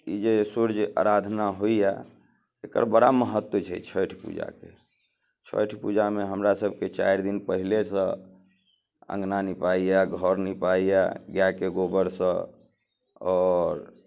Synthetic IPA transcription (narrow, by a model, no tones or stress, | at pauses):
ḭd͡ʒesuɾd͡ʒa̰ɾad̪ʱnaɦoija | ekə̰ɾbəɽaməɦət̪ːwət͡ʃʰɛ̰t͡ʃʰəjʈʰpṵd͡ʒa̰ke | t͡ʃʰə̰jʈʰpud͡ʒameɦəmɾasəbʱket͡ʃa̰jɾd̪inpəɦilesə̃ | ə̰̃ŋɡnanipaijaɡʱɔɾnipaija̰ɡjakeɡobəɾsə̃ | ɔɾ